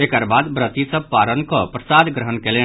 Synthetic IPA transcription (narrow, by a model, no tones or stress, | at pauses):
ekəɾbaːd̪bɾət̪isəb̚paːɾənkopɾəsaːd̪ɡɾəɦənkeːlẽ